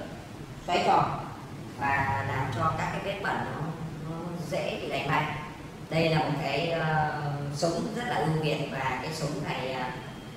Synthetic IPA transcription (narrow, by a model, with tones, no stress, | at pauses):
fa˨˦jfɔ˨˩ | vaː˨˩laː˨˩mt͡ɕɔ˧kaː˦˥kːaː˨˦jɓi˦˥ət̚ɓə˨˩nɔ˨˦nɔ˨˦zḛ˧˥ɓḭ˧˩ɗa˨˩jŋ̟ma˨˧˩jŋ̚ | ɗə˧jlaː˨˩mʊ˨˩t̚kaː˨˦jə˧sʊ˨˦ŋ͡mzə˦˥t̚laː˨˩ʔɨ˧vḭ˨˩˨ənvaː˨˩kaː˨˦jsʊ˨˦ŋ͡mna˨˩jʔəː˧˩